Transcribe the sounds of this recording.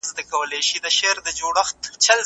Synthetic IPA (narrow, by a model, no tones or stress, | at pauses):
zd̪akawəleʃid̪əʃeɾd̪əd͡ʒoɽɐxt̪t͡ʃɐl